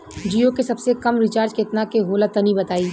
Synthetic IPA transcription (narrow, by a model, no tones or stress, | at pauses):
d͡ʒiːokesɐbsekɐmɾɪt͡ʃaːɾd͡ʒkeːt̪nakeɦoːlat̪ɐnibɐt̪aːiː